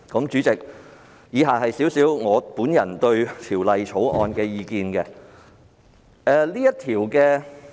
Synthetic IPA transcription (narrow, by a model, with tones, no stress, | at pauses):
kɐ˨˥mt͡ʃyː˨˥t͡sɪ˨k̚ | jiː˨˧ɦaː˨hɐ˨jsiː˨˥wsiː˨˥wŋɔː˨˧puː˨˥njɐ˨˩nt̪ɵ˧ɥt̪ʰiː˨˩wlɐ˨jt͡ʃʰo˨˥wʔɔ̰ː˧nkɛː˧jiː˧kiː˧nkɛ˧ | ɛː˧liː˥jɐ˥tt̪ʰiː˨˩wkɛː˧